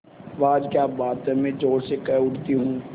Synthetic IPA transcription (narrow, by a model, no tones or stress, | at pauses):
ʋaːd͡ʒkjaːbaːt̪ɛmẽd͡ʒoːɽsekɛʊʈt̪iɦũː